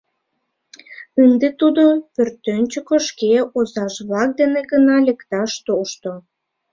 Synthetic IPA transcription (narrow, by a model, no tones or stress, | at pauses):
ənd̪et̪ud̪opørt̪ːønʲt͡ɕokoʃkeozɑʃβlɑk̚d̪eneɡənɑlekt̪ɑʃt̪oʃt̪o